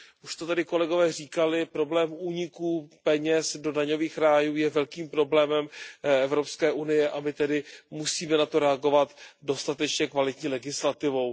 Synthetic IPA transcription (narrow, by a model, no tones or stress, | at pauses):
ʔuʃt̪ot̪adɪko̞lɛɡo̞vɛːr̝iːkalɪpɾo̞blɛːmuːɲɪkuːpɛɲɛsdo̞daɲo̞viːxɾaːjuːjɛvɛlkiːmpɾo̞blɛːmɛmʔɛvɾo̞pskɛːʔunɪjɛʔamɪt̪ɛdɪmusiːmɛnat̪o̞ɾɛaɡo̞vat̪do̞st̪at̪ɛt͡ʃɲɛkvalɪt̪ɲiːlɛɡɪslat̪ɪvo̞w